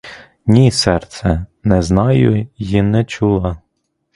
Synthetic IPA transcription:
nʲisɛrt̪sɛnɛznɑjʊjinɛt͡ʃulˠɐ

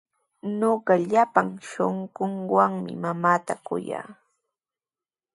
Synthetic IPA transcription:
ɲoɢɑʎapaŋʃoɴɢoɴwaŋmɪmamaːt̪akʊ̰ja̰ː

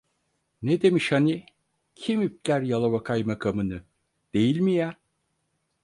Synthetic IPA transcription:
ned̪e̞miʃhani | cʰimyp̚lʲæɾjalˠaβakʰajmakʰamɯnɯ | d̪̥e̞jilʲmija

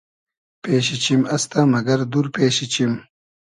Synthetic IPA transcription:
peːɕit͡ɕimɐst̪amɐɡɐɾd̪uɾpeːɕit͡ɕim

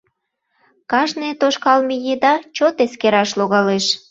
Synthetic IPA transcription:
kɑʒnet̪oʃkɑlmejed̪ɑt͡ɕot̪eskeɾɑʃloɣɑleʃ

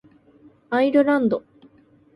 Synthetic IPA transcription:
aiɾɯ̟ɾãnd̪o

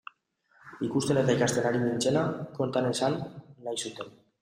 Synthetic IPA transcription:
ikust̪e̞ne̞t̪ajkast̪e̞naɾimint͡se̞lako̞nt̪anesanːajsut̪e̞n

